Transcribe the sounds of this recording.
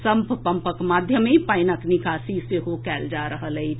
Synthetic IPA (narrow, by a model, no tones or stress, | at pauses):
səmppəmpəkmad̪ʱjəmepəɪnəknikasiseɦokɛːld͡ʒaɾəɦələi